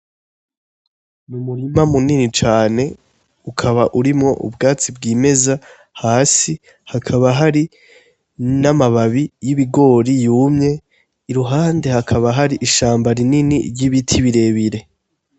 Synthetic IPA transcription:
numuɾimamuninit͡ʃaːne̞ | ukʰaβaʔuɾimŋo̞ʔṵbɡaːt͡sibɡiːme̞za | haːsi | hakʰaβaɦaɾi | namaβaβijiβiɡo̞ːɾijuːmɲe̞ | iɾuɦaːnde̞hakʰaβaɦaɾiʔiʃaːmbaɾininḭɾɟiβitʰiβiɾe̞ːβiɾe̞

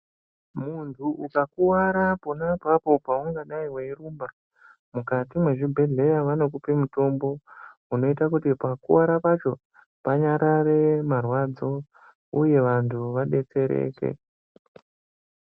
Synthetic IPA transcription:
muntʰuʔukakuwaɾapo̞napapo̞pauŋɡaɗaiweiruːmba | mukatimwe̞ʐibʱe̞ɮe̞jaʋano̞k̬upimuto̞mbo̞uno̞itak̬utipakuwaɾapat͡ʃo̞ | paɲaɾaremarwad͡zo̞ | uje̞ʋantʰuʋaɗe̞t͡se̞ɾḛːke̞̰

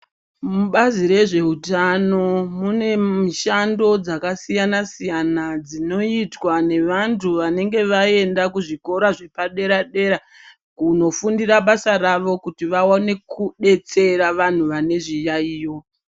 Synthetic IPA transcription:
muɓaziɾe̞ʐe̞utano̞mune̞miʃando̞d͡zakasijanasijanad͡zino̞itwane̞ʋantʰuʋane̞ŋɡe̞ʋae̞ndakuʐiko̞ɾaʐe̞paɗe̞ɾaɗe̞ɾa | kuno̞fundiraɓasaraʋo̞kutiʋaone̞kuɗe̞t͡se̞ɾaʋan̤uʋane̞ʐijaiːjo̞

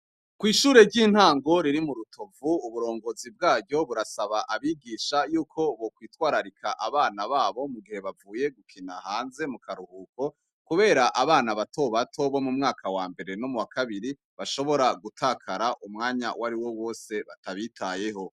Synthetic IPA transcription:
kwiːʃuːɾe̞ɾɟiːn̥haːŋɡo̞ɾiɾimuɾutʰovuːβuɾo̞ːŋɡo̞zib̚ɡaːɾɟo̞βuɾasaβaʔaβiɡiʃajuːkʰo̞βokwiːtwaːɾaɾikʰaʔaβaːnaβaːβo̞muɡihe̞βavuːje̞ɡukʰinahaːnze̞mukaɾuhuːko̞ | kuβe̞ːɾaʔaβaːnaβatʰo̞βatʰo̞βo̞mumŋaːkʰawaːmbe̞ɾe̞no̞muwakʰaβiɾi | βaʃo̞βo̞ɾaɡutʰaːkʰaɾaʔumŋaːɲa̰waɾiwo̞wo̞ːse̞βataβitʰaje̞ɦo̞

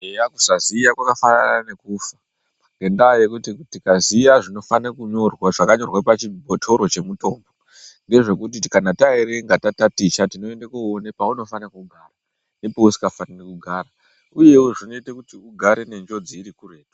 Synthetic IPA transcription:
eaku̥sazijakwakafananane̞kufḁ | ŋɡe̞ndajekutitikazijaʐino̞fanakuɲo̞rwaʐakaɲo̞rwapat͡ʃibʱotʰo̞ɾo̞t͡ʃe̞muto̞ːmbo̞ | nde̞ʐe̞kut̬itkanataeɾe̞ŋɡatatatit͡ʃatino̞endakuonepauno̞fanakuɡʱaːra | nepousi̥kafanekuɡʱaːɾa | uje̞wuʐino̞itekutiuɡʱaɾe̞ne̞nd͡ʒo̞d͡ziiɾikure̞ːto̥

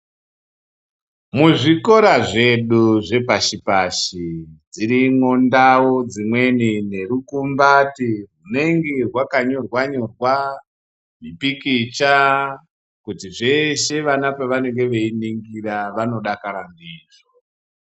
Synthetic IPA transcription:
muʐiko̞ɾaʐeɗuʐe̞paʃipaʃid͡ziɾimondawo̞d͡zimwe̞nine̞ɾukumbatirune̞ŋɡerwakaɲo̞rwaɲo̞rwa | mipikit͡ʃa | kutiʐe̞ʃe̞ʋanapaʋane̞ŋɡe̞ʋeiniŋɡiɾaʋano̞ɗakaɾambiːʐo

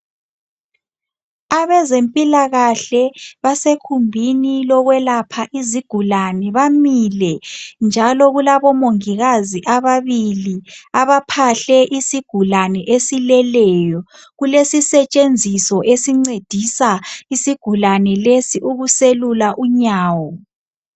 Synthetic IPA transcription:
aβɛzempʼilaɣaɬɛβasekʰumbʱinilɔɣwɛlapʰaʔiziɡ̥ʱulanɛβamilɛnd͡ʒʱalɔɣulaβɔmoŋiɣaziʔaβaβiliaβapʰaɬɛʔisiɡ̥ʱulanɛʔesilɛlɛjɔ | ɣulesisɛt͡ʃʼend͡zʱisɔʔesiŋ͡ǀed̥ʱisaisiɡ̥ʱulanɛlesiʔuɣuselulaʔuɲaːwɔ

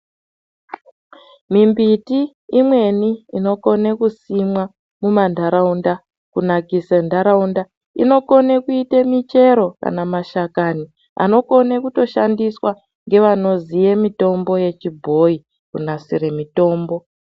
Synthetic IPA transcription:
mimbitiː | mwe̞niːno̞ko̞nekusimwa | mumandʱaɾaunda | kunakisendʱaɾaunda | ḭno̞ko̞nekuitemit͡ʃe̞ɾo̞ka̰namaʃakani | a̰no̞ko̞nekuto̞ʃandiswa | ŋɡe̞ʋano̞zijemito̞mbo̞je̞t͡ʃibʱo̞i | kunasiɾe̞mito̞ːmbo̞

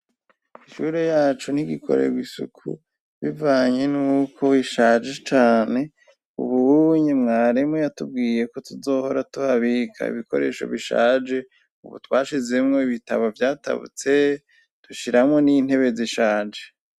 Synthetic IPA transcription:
iʃuɾejaːt͡ʃun̥iɡikʰo̞̰ɾḛɡwisṵkʰṵ | βivaːɲe̞nuːkʰo̞iʃaːd͡ʒe̞t͡ʃaːne̞ | ṵβuɲemŋaːɾemojatub̚ɡiːje̞ko̞tuzo̞ːho̞ɾatuhaβikʰa̰ḭβiko̞ɾe̞̰ːʃo̞̰βiʃa̰ːd͡ʒe̞ | ṵβṵtwaːʃize̞mŋo̞iβita̰βavjaːta̰βṵt͡se̞ | d̥uʃiɾamŋo̞nin̥he̞βe̞ziʃaːd͡ʒe

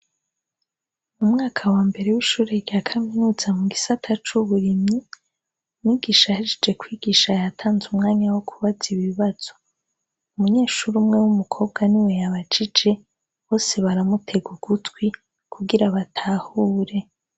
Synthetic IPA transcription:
mumŋaːkʰawaːmbe̞ɾewiʃuːɾeɾɟakʰaminuːz̥amuɡisatʰat͡ʃuβuɾimɲi | niːɡiːʃahad͡ʒed͡ʒe̞kwiːɡiːʃajatʰaːnzumŋaːɲawokʰuβaziβiβaz̥o̞ | umuɲe̞ːʃuɾumŋe̞wumukʰo̞ːb̚ɡaniwe̞jaβat͡ʃid͡ʒe̞ | βo̞ːse̞βaɾamutʰe̞ɡuɡ̥utwi | kʰuɡiɾaβatʰahuːɾe̞

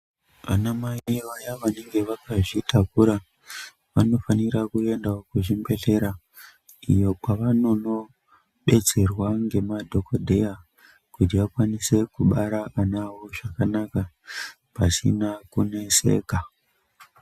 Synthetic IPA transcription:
ʋa̰namaiʋajaʋane̞ŋɡe̞ʋakaʐitʰakuɾa | ʋano̞faniɾakue̞ndaokuʐimbe̞ɮe̞ɾa | ijo̞kwaʋano̞no̞ | ɓe̞d͡ze̞rwaŋɡe̞madʱo̞kodʱeja | kutijakwanise̞kuɓaɾaʔanawo̞ʐakanaka | pasḭnakune̞se̞̰ːka

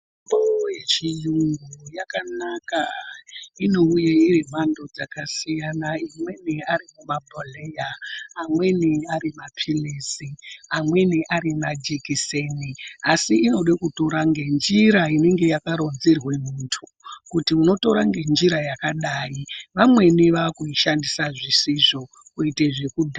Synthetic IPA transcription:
mabojet͡ʃijuŋɡujakanaka | ino̞ujeirim̤ando̞d͡zakasijanaimwe̞niaɾimumabʱolejaːmwe̞niaɾimapʰilesiamwe̞niʔaɾimad͡ʒikiseniasiːno̞ɗakuto̞ɾaŋɡe̞nd͡ʒiɾaine̞ŋɡe̞jakaɾo̞nzerwe̞muntʰu | kutiuno̞to̞ɾaŋɡe̞nd͡ʒiɾajakaɗaːjiʋamwe̞niʋaːkuiʃandisaʐisiʐo̞ | kuiteʐe̞kudʱa

